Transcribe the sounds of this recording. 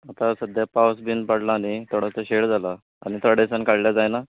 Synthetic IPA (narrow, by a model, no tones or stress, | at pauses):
at̪ãsəd̪japawsbinpaɽlaːnit̪ʰoɽ̤at͡səɕeɽd͡zala | anit̪ɾəɽesənkaɽljad͡zajna